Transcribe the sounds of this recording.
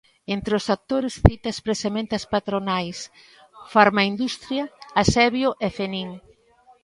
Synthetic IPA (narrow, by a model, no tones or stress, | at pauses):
ent̪ɾɪʊsak̚t̪oɾesθit̪ɐspɾesemẽnt̪ɐspat̪ɾonajs | faɾmaind̪ust̪ɾjɐasɛβjoʔɛfeniŋ